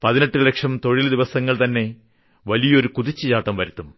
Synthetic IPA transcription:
pɐðineʈːɨle̞kʂɐmt̪o̞ɻild̪iʋɐsɐŋːɐɭt̪ɐnːe̞ | ʋɐlijɐo̞ɾukuðit͡ɕːɨt͡ɕaːʈːɐmʋɐɾit̪ːum

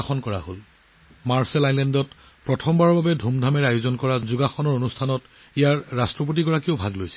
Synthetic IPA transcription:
xɔnkɔɹa̰ɦol | maɹsɛlajlɛndɔt | pɹɔtʰɔmbaɹɔɹbabɛdʱumdʱamɛɹajʊzɔnkɔɹazuɡaxɔnɔɹonustʰanɔt | ijaɹːastɹɔp̬ot̬iɡɔɹakiʊbʱaɡlojsɛ̥

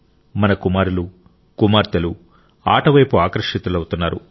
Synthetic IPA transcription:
mɐnɐkumaːɾulu | kumaːɾt̪ɐlu | a̰ːʈɐʋɐjpuaːkɾɐʂit̪ulɐwut̪unːaːɾṵ

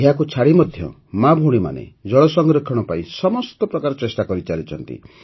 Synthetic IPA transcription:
ɦakut͡ʃʰaɽimɔd̪ʱjɔ̰ | mabʱuɽ̃ima̰nḛd͡ʒɔɭɔsɔŋɡɾɔkʰːɔɽ̃ɔpaĩsɔmɔst̪ɔpɾɔkaɾɔt͡ʃesʈakɔɾit͡ʃaɾit͡ʃʰɔnt̪ḭ

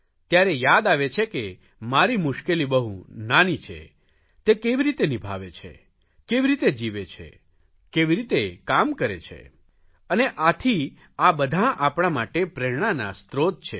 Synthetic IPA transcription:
t̪jaɾejad̪aʋet͡ʃʰeke | maɾimʊʃkelibəɦṵ̃nanit͡ʃʰḛ | t̪ekeʋiɾit̪enibʱa̰ʋet͡ʃʰḛ | keʋiɾit̪ed͡ʒiʋet͡ʃʰḛ | keʋiɾit̪ekamkəɾḛt͡ʃʰḛ | əneʔat̪ʰi | abəd̪ʱãʔapɽ̃amaʈepɾɛɽ̃ana̰st̪ɾot̪̚t͡ʃʰe

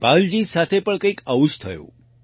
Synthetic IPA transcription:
pald͡ʑisat̪ʰepəɳkəikəʋuʃt̪ʰəjo̰

